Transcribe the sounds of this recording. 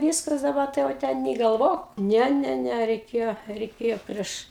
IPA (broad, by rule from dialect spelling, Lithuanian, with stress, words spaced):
ˈʋʲiːskɐs dɐˈbɐ tɐɪ jɛʊ ˈtʲɛn nʲeː ɡɐlˠˈʋoːk ˈnʲɛ ˈnʲɛ ˈnʲɛ rʲɛɪˈkʲeːjoː rʲɛɪˈkʲeːjoː ˈpʲrʲiɛʃ